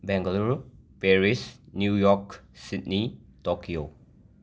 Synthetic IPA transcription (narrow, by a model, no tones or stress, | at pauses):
bɛ̃ŋɡəluɹpɛɹisnjujɔksitnitɔkio